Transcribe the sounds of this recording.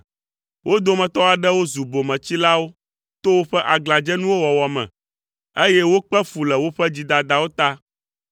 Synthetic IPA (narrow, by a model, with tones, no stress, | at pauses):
wʔo˦d̪o˨mɛ̃˨t̪ɔ˦a˨ɖɛ˦wo˦zu˨bo˨mɛ̃˨t͡ɕi˦la˦wo˦ | t̪o˦wo˦ɸɛ˦ʔa˨ɡla˨d͡ʒɛ˦nũ˦wo˦wɔ˨wɔ˨mɛ̰̃˨ | e˦jɛ˦wo˦k͡pɛ˦fu˨lɛ˨wo˦ɸɛ˦d͡ʑi˦d̪a˨d̪a˨wo˦t̪a˦